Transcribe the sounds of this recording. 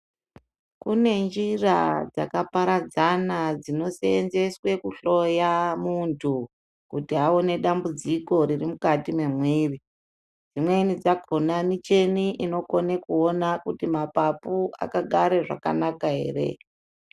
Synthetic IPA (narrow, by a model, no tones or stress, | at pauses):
kune̞nd͡ʒirad͡za̰kapaɾad͡zanad͡zino̞se̞enze̞swe̞kuɬo̞jamuntʰu | kutiɦao̞ne̞ɗambud͡ziko̞ɾirimukatime̞mwiːri | d͡zimwenid͡zaɡʱonanit͡ʃe̞niʔino̞kone̞kuo̞nakutimapapua̰kaɡʱaɾeʐa̰ka̰nakaɦe̞̰ːre̞̰